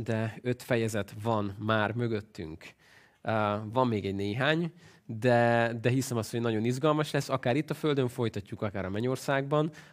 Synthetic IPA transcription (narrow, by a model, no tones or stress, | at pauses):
d̪ɛø̞t̪fɛjɛzɛt̪vɒnmaːrmø̞ɡø̞t̪ːy̰ŋkː | vɒmːeːɡɛɟneːɦaːɲ | d̪ɛd̪ɛɦisɛmɒst̪ho̞ɟnɒɟo̞nizɡɒlmɒʃlɛsːɒkaːɾit̪ːɒfø̞ld̪øɱfo̞jt̪ɒcːukɒkaːɾɒmɛɟo̞rsaːɡbɒn